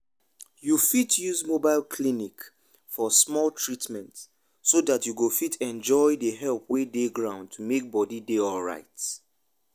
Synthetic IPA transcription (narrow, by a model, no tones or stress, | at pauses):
jufitjuzmobaɪlkʰlinik | fɔsmɔlˠtʰɹitmɛ̃nt | sodatjuɡofitʰɛ̃nd͡ʒɔɪðəɦɛlp̚ʰwedeɡɹãʊ̃nd̚tʰumek̚bɔdideɔlɹa̰ɪt